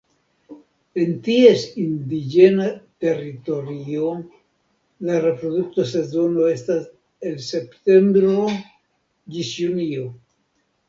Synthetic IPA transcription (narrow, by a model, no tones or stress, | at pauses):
e̞ntie̞sind̪id͡ʒe̞nate̞ɾito̞ɾio̞ | laɾe̞pɾo̞duk̚tose̞zo̞no̞e̞stas | e̞lse̞pte̞mbɾo | d͡ʒisjunio̞